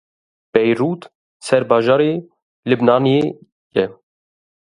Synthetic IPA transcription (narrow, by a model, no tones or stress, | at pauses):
b̥ɛjɾuːt̪ | sɛɾbɑːʒɑːɾeː | lɨbnɑːnie | jɛ